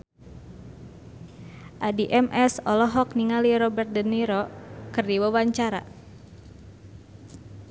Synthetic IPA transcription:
ʔadiʔɛmʔɛsɔlɔɦɔk̚niŋaliɾɔbɛrt̪̚dənːiɾɔkɨrdiwawaɲt͡ʃaɾa̰

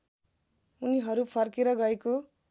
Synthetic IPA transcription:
uniɦʌɾupʰʌrkeɾʌɡʌeko

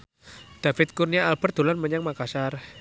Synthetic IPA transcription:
d̪̥a̤fɪt̪̚kurniaːlb̥ə̤rd̪̥o̤lanməɲaŋmakasar

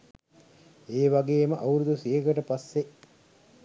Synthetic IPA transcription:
eːʋaɡeːməʔɐwɾud̪usiɦekəʈəpasːe

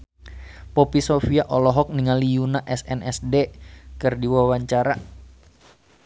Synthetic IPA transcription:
popisofiaʔɔlɔɦɔk̚niŋalijunaʔɛsɛnɛsdekɨrdiwawaɲt͡ʃaɾa

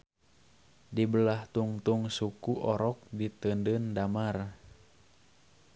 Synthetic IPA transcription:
dibəlaht̪uŋt̪uŋsukuʔɔɾɔk̚dit̪əndəndamar

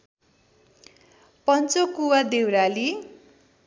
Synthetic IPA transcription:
pʌnt͡sokuwad̪ewɾali

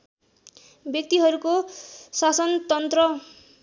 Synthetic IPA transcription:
bjʌk̚t̪iɦʌɾukosasʌnt̪ʌnt̪rʌ

